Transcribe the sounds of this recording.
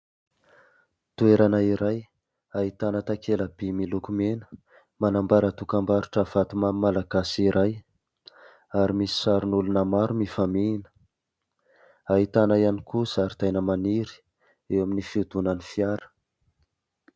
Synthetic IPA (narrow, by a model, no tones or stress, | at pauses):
t̪ueɾanaiɾaj | ait̪anət̪akʰeləbimilukumenə̥ | manambaɾət̪ukambaɾuʈ͡ʂəv̥at̪umamimalaɡasiɾʔaj | aɾimisi̥saɾunulunamaɾumifaminə̥ | aɦit̪anaianikusaɾit̪ajnəmaniɾi̥ | ewaminifiud̪unənifiaɾə̥